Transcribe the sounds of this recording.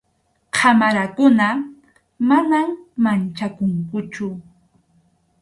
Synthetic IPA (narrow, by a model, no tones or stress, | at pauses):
kʰamaɾakʊna | manammant͡ʃakʊŋkʊt͡ʃʊ